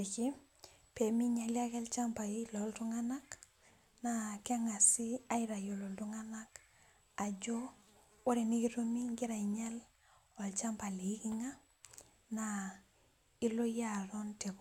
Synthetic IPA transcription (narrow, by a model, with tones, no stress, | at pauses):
e˨ki˦ | pe˨mi˦ɲa˨lja˦kɛ˦lt͡ʃa˦mpa˨ilɔ˨˦ltu˦ŋa˦na˦k | na˨ka˦ŋa˨si˦a˦iɾa˨jo˨lo˨ltu˦ŋa˦na˦k | a˨d͡ʒo˦ | wo˦ɾe˨ni˦ki˦to˦mi˦ŋɡi˦ɾa˨i˨ɲa˦l | ɔ˨lt͡ʃa˦mpa˨le˨i˦ki˦ŋa˦ | na˨ | i˦lo˦ja˦ɾɔ˦nte˨kɔ